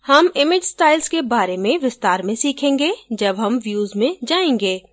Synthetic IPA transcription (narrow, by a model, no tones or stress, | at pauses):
hɐmɪmɪd͡ʒsʈaːɪlzkebaːɾemẽʋɪst̪aːɾmẽsiːkʰẽːŋɡed͡ʒɐbɦɐmʋjuːzmẽd͡ʒaːẽːŋɡeː